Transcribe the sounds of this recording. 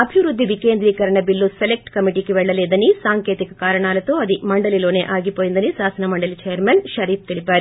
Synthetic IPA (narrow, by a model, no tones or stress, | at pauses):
ɐbʱiʋɾud̪ʱːiʋikeːnd̪ɾiːkɐɾɐɳɐbilːuselek̚ʈkɐmiʈikeʋɛɭːɐleːd̪ɐnisaːŋkeːt̪ikɐkaːɾɐɳaːlɐt̪oːɐd̪imɐɳɖɐliloːneʔaːɡipoːjind̪ɐnisaːsɐnɐmɐɳɖɐlit͡ʃejɐɾmenʃɐɾiːp̚t̪iɭibaːɾi